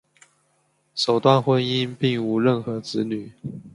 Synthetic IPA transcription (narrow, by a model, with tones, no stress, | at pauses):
ʂo˨˩ʊt̪wa˥˨nxwə˧˥ni˥npi˥˩ŋu˧˥ɻə˥˩nxɤ˧˥t͡sɹ̩˧˥ny˨˩˦